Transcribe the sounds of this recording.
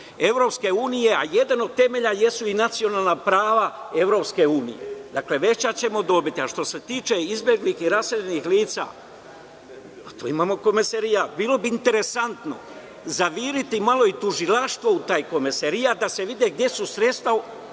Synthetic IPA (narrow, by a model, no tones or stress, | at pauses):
e̞ʋɾo̞ːpske̞uːnije̞a̰je̞d̪ano̞d̪̚t̪e̞me̞ʎaje̞suinat̪sio̞nalnapɾaːʋae̞ʋɾo̞pske̞uːnḭje̞̰d̪akle̞ʋe̞t͡ɕat͡ɕe̞mo̞d̪o̞bit̪iaʃt̪o̞se̞t̪iːt͡ʃe̞izbjeɡlixiɾaseʎenixliːt̪sa̰ː | t̪ṵːimaːmo̞ko̞meseɾijabiːlo̞biːnt̪e̞ɾe̞sant̪no̞̰ | zaʋiːɾit̪imalˠo̞it̪uʒilaʃt̪ʋo̞ut̪aːjko̞meseɾijad̪ase̞ʋid̪eɡ̚d̪ʲje̞susɾe̞t̪st̪vʋa